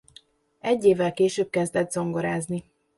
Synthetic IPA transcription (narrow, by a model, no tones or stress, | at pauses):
ɛɟːeːvɛlkeːʃøːb̚kɛzd̪ɛd̪zo̞ŋɡo̞ɾaːzni